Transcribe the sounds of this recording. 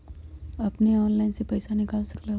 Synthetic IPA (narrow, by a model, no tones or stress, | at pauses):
ɐpneɔːnlaːɪnsepɐːsanɪkaːlsɐkla